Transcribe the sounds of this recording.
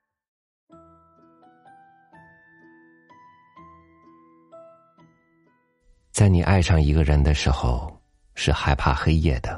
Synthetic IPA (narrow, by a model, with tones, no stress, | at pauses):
t͡sa˥˩ɪni˨˩ʔa̰˥˧ɪʂɑ˥˩ŋi˧˥ɡə˧ɻə˧˥nd̪ə˧ʂɻ̩˧˥xo˧ʊ | ʂɻ̩˥˩xa˧˥ɪpʰa̰˥˩xe˥ɪjɛ̰˥˩d̪ə˩